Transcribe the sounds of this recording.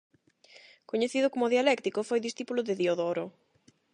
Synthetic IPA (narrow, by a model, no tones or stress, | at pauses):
koɲeθiðʊkomʊðialɛkt̪ikofojðisθipulʊðɪðioðoɾo